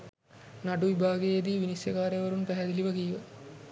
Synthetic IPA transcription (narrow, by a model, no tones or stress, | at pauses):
naɖuʋibʱaːɡejed̪iʋinisjɐkaːɾeʋɐɾunpæɦɛd̪iliʋɐkijʋɐ